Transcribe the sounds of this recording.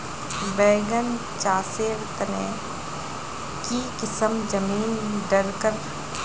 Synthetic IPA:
bɛːɡən | t͡ʃaːseːɾt̪ɐneː | kikɪsəmd͡ʒɐmiːnɖɐɾkəɾ

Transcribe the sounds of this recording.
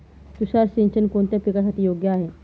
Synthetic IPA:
t̪uɕaɾsĩnt͡ɕənkoɳt̪japikasaʈʰiːjoɡjəːɦe

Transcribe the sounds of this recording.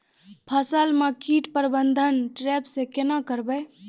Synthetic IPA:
pʰəsəlmakiʈpəɾbənd̪ʱənʈɾɛpsẽkenakəɾbəj

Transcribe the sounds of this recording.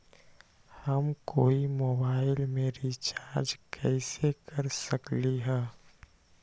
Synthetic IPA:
həmkoːimoːbaːɪlmẽɾit͡ʃaːɾd͡ʒkʰɛɪsekəɾsəkliɦɛ̃ː

